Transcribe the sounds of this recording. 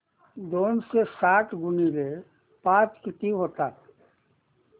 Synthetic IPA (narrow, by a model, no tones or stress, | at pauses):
d̪oːnsesaːʈʰɡʊnile | paːt͡ʃkɪt̪iɦoːt̪aː